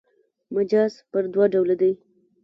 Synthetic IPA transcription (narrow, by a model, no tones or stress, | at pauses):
mʊd͡ʒɑz̥pəɾd̪wɑɖawlad̪aj